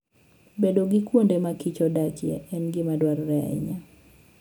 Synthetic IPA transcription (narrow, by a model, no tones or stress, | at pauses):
bedoɡɪkwondemakit͡ʃɔdat͡ʃjɛ̰ɛnɡɪmadwarːɛɛ̰ɲa